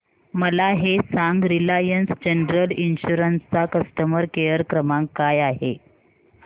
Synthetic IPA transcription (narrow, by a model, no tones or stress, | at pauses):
məlaɦesaŋɡɾilajənsd͡ʑenɾəlinɕuɾənst͡sakəsʈəməɾkejəɾkɾəmaŋkːajaɦḛ